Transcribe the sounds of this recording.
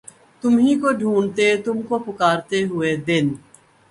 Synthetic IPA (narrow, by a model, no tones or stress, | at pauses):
t̪ʊmɦĩkoɖʱuːɳt̪et̪ʊmkopʊkaːɾt̪eɦʊed̪ɪn